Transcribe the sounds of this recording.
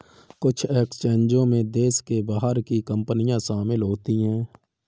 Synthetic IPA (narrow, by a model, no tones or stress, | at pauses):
kʊt͡ʃʰeːkst͡ʃẽːnd͡ʒõmẽd̪eːskebaːɦəɾkikə̃mpənɪjãʃaːmɪlɦoːt̪iɦɛ̃ː